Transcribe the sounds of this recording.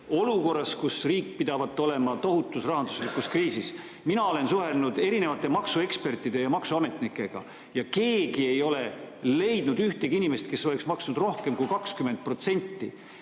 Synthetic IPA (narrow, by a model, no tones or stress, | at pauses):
o̞luko̞rːɑskusriːk̚pid̪̥ɑvɑt̪ːˑo̞le̞mɑt̪o̞ɦut̪ːˑusrɑɦɑnd̪u̥slikuskriːsis | minɑo̞le̞nsuɦe̞nnud̪e̞ɾine̞vɑt̪ːˑe̞mɑksue̞kspe̞rt̪ːˑid̪̥e̞jɑmɑksuɑme̞t̪ˑnikːˑe̞ɡ̥ɑ̰ | jɑke̞ːɡie̞jo̞le̞le̞jd̪nud̪yht̪eɡ̥inimest̪ke̞sːo̞le̞ksmɑksnud̪ro̞hke̞mkujkɑkskyme̞nt̪̚pro̞t̪se̞nʲt̪ˑːi